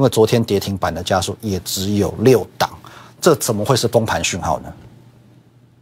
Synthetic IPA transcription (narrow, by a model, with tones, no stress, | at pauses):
i˦nwe˥˩t͡swɔ˧˥t̪ʰjɛ˦nt̪jɛ˧˥t̪ʰi˧˥ŋpa˨˩nd̪ə˦t͡ɕja˦su˨˩jɛ˨˩ʈ͡ʂɻ̩˧˦jo˨˩ʊljo˥˨˩ʊt̪ɑ˨˩˦ŋʈ͡ʂɤ˥˨t͡sə˨˩nmə˦xwe˥˧ɪʂɻ̩˥˩fo˥ŋpʰa˧˥nɕy˥˧nxɑ̰˥˩ʊnə˩